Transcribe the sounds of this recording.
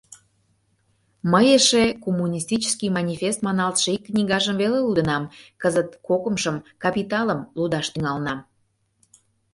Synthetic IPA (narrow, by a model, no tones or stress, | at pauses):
məjeʃekomːunʲist̪it͡ɕə̥skimɑnʲifʲest̪mɑnɑlˠt̪ʃəikːnʲiɡɑʒəmvelelud̪ənɑmkəzət̪̚kokəmʃəmkɑpit̪ɑləmlud̪ɑʃt̪yŋɑlnɑm